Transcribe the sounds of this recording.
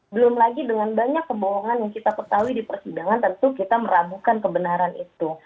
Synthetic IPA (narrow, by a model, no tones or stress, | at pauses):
bəlʊmlaɡidəŋanbaɲakːəboɦɔŋanjaŋkit̪akət̪aɦuidipərsidaŋant̪ənt̪ukit̪aməɾabukankəbənaɾanit̪u